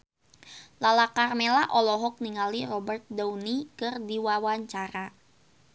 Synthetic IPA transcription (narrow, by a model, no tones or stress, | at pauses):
lalakarmelaʔɔlɔɦɔk̚niŋalirɔbərt̪̚dawnikɨrdiwawaɲt͡ʃaɾa